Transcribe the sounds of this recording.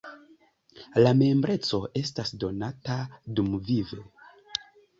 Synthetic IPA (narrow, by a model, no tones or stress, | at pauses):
lame̞mbɾe̞t͡so̞ʔe̞stasdo̞natadumvive̞